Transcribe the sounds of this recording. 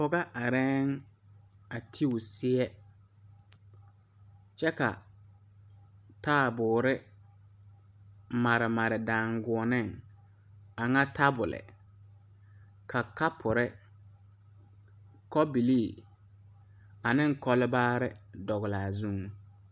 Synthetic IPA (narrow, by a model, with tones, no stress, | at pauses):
pɔ˨ɡa˦ʔa˨ɾɛː˦ŋ | a˨tʰi˦ʊ˨sɪ˦ɛ˦ | t͡ʃɛ˦ka̰˨ | taː˦˨bʊː˨ɾɪ˦ | ma˨ɾɪ˨ma˨ɾɪ˨daː˨ŋɡʊ˨ɔ˨nɪ˦˨ŋ | a˨ŋa˦tʰa˦bʊ˨lɪ̰˨ | kʰa˨ka˦pʰʊ˨ɾɪ˦ | kɔ˦bi˨liː˦˨ | a˨nɪ˦ŋkɔ˦lɪ˦baː˦ɾɪ˦dɔ˨ɣɪ˨laː˨zu˦ŋ